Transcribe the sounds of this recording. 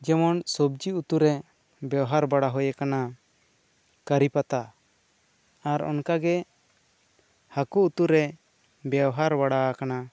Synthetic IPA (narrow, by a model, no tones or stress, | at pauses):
d͡ʒɛmɔnsɔb̚d͡ʒiut̪uɾɛ | bjɛwɦaɾbaɽaɦɔjɛkana | kəɾipat̪a | aɾɔ̰nkaɡɛ | hakuut̪uɾɛ | bjɛwɦaɾbaɽakana